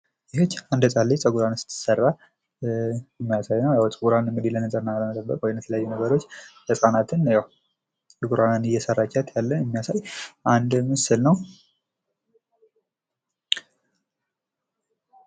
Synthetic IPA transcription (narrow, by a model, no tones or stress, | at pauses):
jɛhot͡ʃːand̪ət͡sʼalːit͡sʼəɡuɾansɨ̥t̪ʰːɨ̥sərːa | jɛmːijasajnəwjawt͡sʼəɡuɾanɨmːɨd̪ilənəsʼəɾnaləmət̪ʼəbːə̰kʼwɔjmjɛt̪ʰələjajːunəɡəɾo̞t͡ʃːjəsʼanat̪ʰɨnjawʼ | əɡuɾanɨnɨjɛsərːat͡ʃːat̪ʰjalːənɛmːijasajʔand̪mɨsɨlnəw